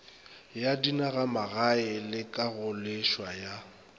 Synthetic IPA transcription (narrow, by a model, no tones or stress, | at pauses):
jadinaɣamaɣaɪlɪkʼaɣʊleʃwaja